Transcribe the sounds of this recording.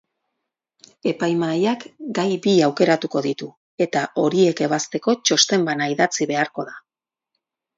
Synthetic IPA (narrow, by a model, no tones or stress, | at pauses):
e̞pajmajakɡajbiawke̞ɾat̪uko̞ðit̪u | e̞t̪aʔo̞ɾie̞ke̞β̞ast̪e̞ko̞t͡ʃo̞st̪e̞mbanaiðat͡siβe̞aɾko̞ða